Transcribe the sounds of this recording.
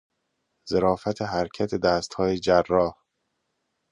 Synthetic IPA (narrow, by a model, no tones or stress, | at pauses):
z̥eɾɒːfæt̪ʰeɦæɾcʰæt̪ʰed̪æːst̪hɒːjed͡ʒærːɒːh